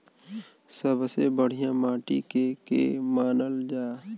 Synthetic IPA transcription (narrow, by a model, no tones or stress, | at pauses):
səbʱsebəɽ̤ijãmãːʈikekḛmaːnəld͡ʒaː